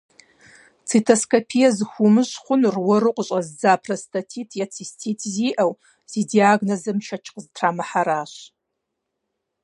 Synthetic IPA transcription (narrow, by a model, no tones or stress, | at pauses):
t͡sʰitʰoskʰopʰijɐzɨxʷumɨɕχʷʊnrwɐrɨqʷʼɕʼɐzd͡zaːpʰrɐstʰatʰiːtʰjat͡sʰistʰiːtʰziːʔɐw | z̥iːdiaːɡnozɐmʃɐt͡ʃʰqztʰraːmɐħaɾaːɕ